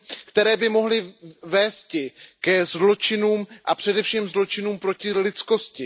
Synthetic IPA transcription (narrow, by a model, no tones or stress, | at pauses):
kt̪ɛɾɛːbɪmo̞ɦlɪvɛːst̪cɪkɛzlo̞t͡ʃɪnuːmʔapr̝̥ɛdɛfʃiːmzlo̞t͡ʃɪnuːmpɾo̞cɪlɪt̪t͡sko̞scɪ